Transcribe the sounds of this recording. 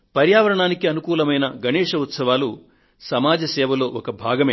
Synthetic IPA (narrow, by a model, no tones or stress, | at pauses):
pɐɾjaːʋɐɾɐɳaːnikiɐnukuːlɐmɐjnɐɡʱɐnɛːʂɐut̪sɐʋaːlu | sɐmaːd͡ʒɐsɛːʋɐlo̞ːʔɔkɐbʱaːɡɐmeː